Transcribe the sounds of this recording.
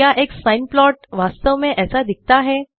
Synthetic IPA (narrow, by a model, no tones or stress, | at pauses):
jaʔeksãjnplɔʈʋast̪əʋmẽʔɛsad̪ik̚ʰt̪aɦɛ